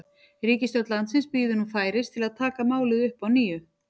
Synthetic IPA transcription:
ɾiːcɪst̪jœt̪lant̪sɪnspiːðʏnumfaːjɾɪst̪ʰɪlaðt̪ʰaːkamaːwlɪðʏhpawniːjʏ

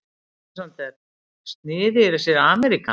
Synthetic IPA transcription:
sant̪ɛɾ | st̪nɪːðɪɛɾasjɛɾaːmɛɾika̰

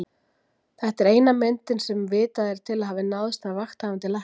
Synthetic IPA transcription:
θɛht̪ɛɾeːjnamɛnt̪ɪnsɛmvɪːt̪aðɛɾ̥t̪ʰɪlaðhaːvɪnaðʏst̪avaxt̪haːvant̪ɪla

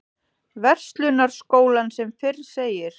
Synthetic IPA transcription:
vɛr̥st̪lʏnaɾ̥skoːwlansɛmfɪrseːjɪɾ̥

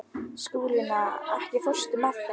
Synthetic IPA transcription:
skuːlɪnaɛhcɪfœr̥st̪ʏmat̪

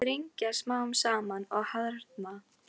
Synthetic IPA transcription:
ɾiɲcasmaːwʏmsaːmanɔɣhaðɾaɾ̥t̪ma

